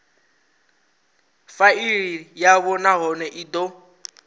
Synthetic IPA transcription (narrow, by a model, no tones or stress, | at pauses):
faiɾijaβɔnaɦɔnɛʔid̪o